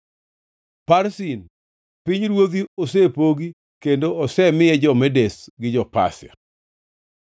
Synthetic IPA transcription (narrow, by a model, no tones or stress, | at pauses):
paɾsin | pɪɲɾwod̪ios̬epoɡi | kendoɔsɛmɪjɛd͡ʒɔmɛdesɡɪd͡ʒɔpa̰sja̰